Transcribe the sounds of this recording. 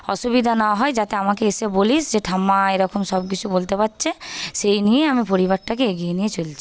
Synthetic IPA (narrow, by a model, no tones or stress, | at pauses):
ɔ̰ʃubid̪ʱanawɦɔed͡ʑat̪eamakeeʃebolisd͡ʑeʈʰamaeɾɔkomʃɔb̚k̬it͡ɕʰubolt̪epat̪ːɕʰeʃejnijeamipoɾibaɾʈakeeɡijenijet͡ɕolt͡ɕʰi̥